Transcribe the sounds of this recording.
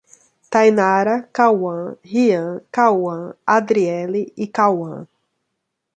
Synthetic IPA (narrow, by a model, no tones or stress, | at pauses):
t̪ajnaɾɐkawɐ̃hiɐ̃kawɐ̃ad̪ɾiɛliikawɐ̰̃